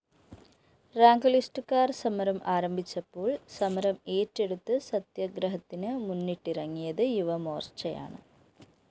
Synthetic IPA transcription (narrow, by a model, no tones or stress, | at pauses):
raːŋɡɐlisʈɨkːaːrsɐmɐɾɐmʔaːɾɐmbit͡ɕːɐpːoːɭsɐmɐɾɐmeːtːeɽut̪ːɨsɐt̪jɐɡɾɐɦɐt̪ːinɨmunːiʈːirɐŋːijɐðɨjuʋɐmoːrt͡ɕːɐja̰ːɳɨ̰